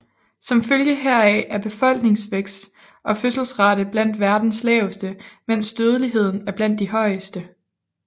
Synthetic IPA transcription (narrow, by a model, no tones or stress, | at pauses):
sɒ̽mføljəɦeɐ̰ɛʔæɐb̥e̝fɒ̽l̰ɡ̥ne̝ŋsʋeɡ̥s | ʔɒ̽føsl̩sʁɑ̈ɾ̥əb̥læn̰d̥ʋæɐd̥n̩slɛːʊsd̥əmen̰sd̥øːð̞ˠəliɦe̝ð̞̰ˠn̩æɐb̥læn̰d̥ːiɦɒ̽ɪ̰əsd̥ə